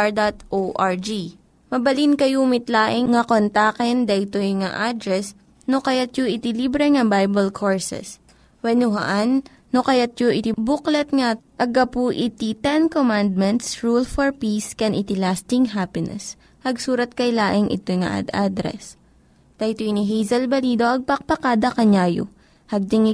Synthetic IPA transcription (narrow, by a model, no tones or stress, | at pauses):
ɹd̪at̪ʔoʔaɹd͡ʒi | mɐbɐlinkɐjuːmɪt̪laːʔɪŋŋɐkont̪aːkɛnd̪ɐʔɪt̪ojŋaʔad̪ɾɛs | nokɐjat̪̚joʔɪt̪ɪlibɾɛŋɐbajbɛlkʰoɹsɛ̰s | wɛnʊɦɐ̰ʔanː | okɐjat̪̚joʔɪt̪ibuklɐt̪̚ŋɐʔɐɡɐpuʔɪt̪it̪ɛnkomand̪̚mɛnt̪sɹulfɔɹpiskɛnʔɪt̪ɪlast̪ɪŋɦapɪnɛ̰s | hɐɡsuːɾɐt̪̚kɐjlaːʔɪŋʔɪ̰t̪ojŋɐ̰ʔa̰d̪ʔa̰d̪ɾɛ̰s | d̪̥ɐjt̪ojniɦɛjzɐlbɐliːd̪o̞ʔɐɡ̚pɐk̚pɐkaːd̪ɐkɐɲaːjo̰ | hɐɡ̚d͡ʒɪŋ